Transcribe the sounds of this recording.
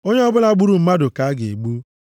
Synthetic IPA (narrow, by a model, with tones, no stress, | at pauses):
o˦ɲe˦ɔ˦bʊ˦la˦ɡ͡bu˦ɾu˨m̩˦ma˦dʊ˨ka˨a˦ɡɪ˨e˨ɡ͡bu˦